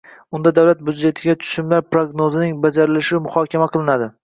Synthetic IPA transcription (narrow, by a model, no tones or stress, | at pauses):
ʊnd̪ad̪awlat̪̚bud̪d͡ʒe̞t̪ʰɪɡʲat̪ʰʊ̥ʃɪmlaɾpɾoɡnozɪnɪŋbad͡ʒaɾɪlɪʃɪmʊhɒkʲʰamaqʰɨlˠɪnad̪ɪ